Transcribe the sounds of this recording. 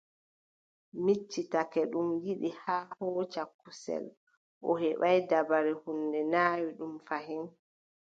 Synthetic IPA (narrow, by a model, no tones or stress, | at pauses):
mit͡ʃːitakɛɗumjiɗihaːhɔːt͡ʃakːusɛ̰l | ʔɔ̰ɦɛɓajdabaɾɛhundɛnaːwiɗumfaɦin